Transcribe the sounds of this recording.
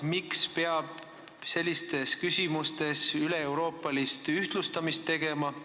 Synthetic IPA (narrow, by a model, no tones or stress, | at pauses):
mikspe̞ɑb̥̚ | se̞lʲːist̪e̞skysʲimust̪e̞syleewɾo̞ːpːˑɑlist̪yht̪lust̪ɑmist̪ːe̞ɡ̥e̞mɑ